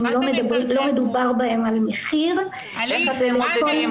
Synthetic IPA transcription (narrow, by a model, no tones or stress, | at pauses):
mlolo̞medubaʁbahe̞malmeχiʁ | zelekol